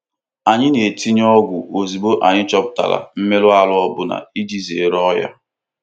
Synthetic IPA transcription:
a˨ɲɪ˦ne˨ti˦ɲ˦ɔ˦ɡʷʊ˨ʔo˨zi˨bo˦ʔa˨ɲɪ˦t͡ʃɔ˦pʊ˦ta̰˨la̰˨m̩˦me˦lʊ˦a˦˨lʊ˦ɔ˦bʊ˦na̰˨i˦d͡ʒi˦ze˨ɾɔ˦ja̰˦

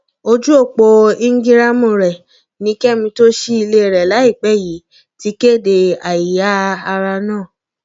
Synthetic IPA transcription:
o˧d͡ʒu˦o˦˨k͡po˧i˦ŋ̩˦ɡi˦ɾa˦mũ˨ɾɛ˨ | nĩ˨˧˦kɛ˦mĩ˧to˦ʃi˦i˧le˦˨ɾɛ˨la˨˦i˦˨k͡pɛ˦˨ji˨˦ | ti˨˦ke˦˨de˧a˨i˨ja˨˦a˧ɾa˧nãː˦˨

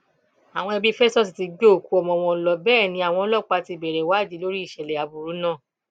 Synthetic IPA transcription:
a˨w̃ɔ̃˧ɛ˧bi˦fe˦stɔ˦s̬i˨ti˧ɡ͡bo˦o˦˨ku˨˧ɔ˧˨mɔ̃˧w̃ɔ̃˧lɔ˧bɛː˦˨nĩ˧a˨w̃ɔ̃˧lɔ˦˨k͡pa˧ti˧˨bɛ˨ɾɛ˨wa˦˨d͡ʒi˨˦lo˦ɾi˦i˦˨ʃɛ˨lɛ˨a˨bu˧ɾu˨˦nãː˦˨

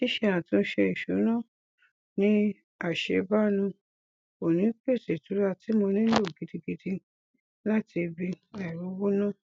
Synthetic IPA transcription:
i˦ʃe˦˧˦ã˨tũ˦ʃe˧i˨ʃu˨˦nã˦˨ | nĩ˦ | a˦˨ʃe˨˦ba˦nũ˧ | o˨nĩ˨˦k͡pe˦˨te˨tu˨˦ɾa˦˨ti˨˦mo˧nĩ˦lo˦˨ɡi˨˦di˧ɡi˧dĩ˧ | la˦ti˧bi˧ | ɛ˨ɾu˨˦wo˦nã˦˨

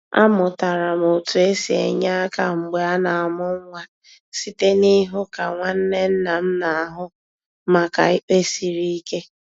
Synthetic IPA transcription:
a̰˦mʊ˨ta˨ɾa˨m˨o˨tu˨e˦si˨ḛ˨ɲa˦ka˦ŋ͡m̩˨ɡ͡be˨a˦na˨a˨mʊ˦ŋ̩˦ŋʷa˦ | si˦te˦ni˦ɦʊ˦ka˨ŋʷa˦n̩˦ne˦n̩˦na˨m̩˦na˨a˨ɦʊ˦ | ma˨ka˨ɪ˦k͡pe˦si˨ɾi˦i˦ke˦

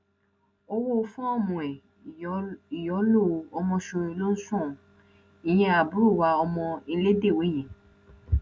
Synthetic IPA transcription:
o˧wo˦˧fũ˦ɔ˦˨mũ˨ɛ˨ | i˨jɔ˨˦lo˦˧ɔ˧mɔ̃˧ʃo˧ɾe˧˨lo˦sɔ̃˦˨ | i˨j̃ɛ̃˧a˨bu˨˦ɾu˦˨wa˨˧ɔ˧mɔ̃˧i˧le˦de˦˨wo˨˦i˦˨j̃ɛ̃˨

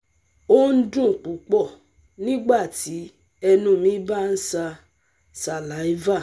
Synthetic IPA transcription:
o˦n̩˦dũ˦˨k͡pu˨˦k͡pɔ˦˨ | nĩ˦ɡ͡ba˦˨ti˨˦ | ɛ˧nũ˧mĩ˨˦ba˦n̩˦sa˧ | sa˧˨la˨˦i˦va˦˨

